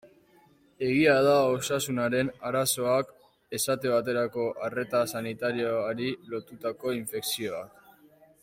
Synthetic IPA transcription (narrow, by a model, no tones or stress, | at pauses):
e̞ɣiað̞aosasunaɾe̞naɾaso̞ak | e̞sat̪e̞βat̪e̞ɾako̞ʔare̞t̪asanit̪aɾioaɾilo̞t̪ut̪ako̞iɱfe̞ksio̞ak